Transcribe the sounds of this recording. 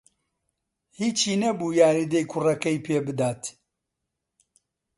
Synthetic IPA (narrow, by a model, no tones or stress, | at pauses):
hiːt͡ʃʰiːnɐbuːjaːɾid̪ɐjkʰʊrɐkɐjpʰeːbɨd̪aːt̪